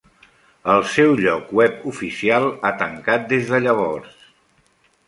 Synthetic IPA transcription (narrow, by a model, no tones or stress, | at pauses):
əlˠsɛwʎɔkwɛpufisialˠat̪əŋkat̪̚d̪ezðəʎəβɔrs